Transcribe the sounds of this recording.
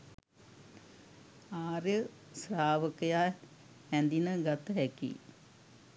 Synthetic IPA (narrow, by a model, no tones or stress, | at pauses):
aːɾjə | sraːʋəkəja | hɛnd̪inəɡat̪əɦɛkḭ